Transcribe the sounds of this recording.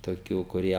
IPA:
toːˈkʲuː kʊˈrʲiɛ

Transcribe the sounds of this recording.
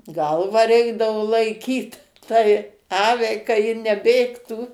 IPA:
ˈɡɐlˠʋɑː ˈrʲɛɪɡdɐʋoː lˠɐɪˈkʲiːt tɐɪ ˈɑːʋʲɛɪ kɐ ˈjɪ nʲɛˈbʲeːktuː

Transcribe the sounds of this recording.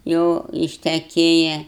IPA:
ˈjɛʊ ɪʃʲtʲɛˈkʲeːjɛ

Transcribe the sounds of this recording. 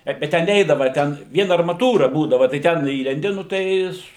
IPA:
ˈbʲɛt bʲɛt tʲɛn ˈnʲɛɪdɐʋɐ ˈtʲɛn ˈʋʲiɛn ɐrmɐˈtuːrɐ ˈbuːdɐʋɐ tɐɪ ˈtʲɛn ˈiːlʲɛnʲdʲɪ nʊ ˈtɐɪ

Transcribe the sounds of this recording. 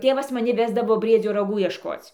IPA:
ˈtʲeːʋɐs mɐˈnʲɪ ˈʋʲæːzdɐʋoː bʲrʲiɛˈd͡zʲoː rɐˈɡuː iɛʃˈkoːt͡sʲ

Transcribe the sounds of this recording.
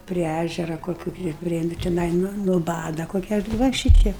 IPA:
pʲrʲɪ ˈæʒʲɛrɐ koːˈkʲuː tʲɪ ˈpʲrʲiɛ ˈnʊ tʲɪˈnɐɪ nʊ nʊˈbɑːdɐ ˈkoːkʲɛ ˈʋɐ ˈʃʲiːtʲɛɪp

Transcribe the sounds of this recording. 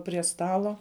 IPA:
pʲrʲiɛ ˈstɑːlˠoː

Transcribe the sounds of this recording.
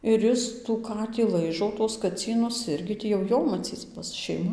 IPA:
ɪr ˈɪs tuː ˈkɑːtʲiː ˈlˠɐɪʒoː tuɔs kɐˈt͡sʲiːnʊs ˈɪrʲɡʲɪ ˈtʲiː jɛʊ ˈjoː mɐˈt͡sʲiːt͡s ˈbʊs ʃʲɛɪˈmɐ

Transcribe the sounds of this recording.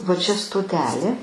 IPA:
ʋɐ ˈt͡ʃʲɛ stoːˈtʲæːlʲeː

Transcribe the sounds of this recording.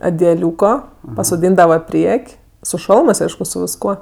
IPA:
ɐdʲɛˈlʲuːkoː pɐsoːˈdʲiːndɐʋɐ ˈpʲrʲiɛkʲ sʊ ˈʃɐlˠmɜs ˈɐɪʃkʊ sʊ ʋʲɪsˈkuɔ

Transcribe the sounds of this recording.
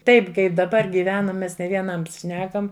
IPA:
ˈtɐɪp ˈkɐɪp dɐˈbɐr ɡʲiːˈʋʲæːnɐm ˈmʲɛs nʲɛ ʋʲiɛˈnɐms ˈʃʲnʲæːkɐm

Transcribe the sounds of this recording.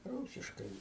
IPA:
ˈruːsʲɪʃkɐɪ

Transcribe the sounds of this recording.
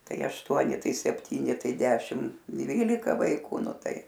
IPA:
ˈtɐɪ ɐʃˈtuɔnʲɪ ˈtɐɪ sʲɛpʲˈtʲiːnʲɪ ˈtɐɪ ˈdʲæːʃʲɪm ˈdʲʋʲiːlʲɪkɐ ʋɐɪˈkʊ ˈnʊ ˈtɐɪ

